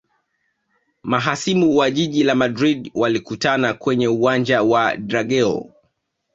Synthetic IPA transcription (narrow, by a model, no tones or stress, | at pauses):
maɦasimuwaʄiʄilamadɾidwalikutanakwɛɲɛuand͡ʒawadɾaɡɛɔ̰